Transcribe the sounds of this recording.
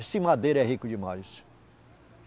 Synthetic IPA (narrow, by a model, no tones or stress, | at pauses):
sɪmad̪eɾɛɦikʊd͡ʒimajs